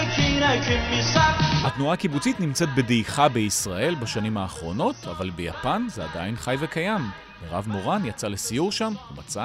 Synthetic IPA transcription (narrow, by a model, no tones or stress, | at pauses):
kinakiisahat̪nuaːkibut͡sit̪nimt͡se̞t̪̚be̞dejχabeisʁaʔe̞lbaʃanimhaːχʁo̞no̞tavalbeja̰panzeadajinχajve̞kajam | veʁa̰vmo̞ʁanjat͡sale̞sijuʁʃamhuma̰t͡sa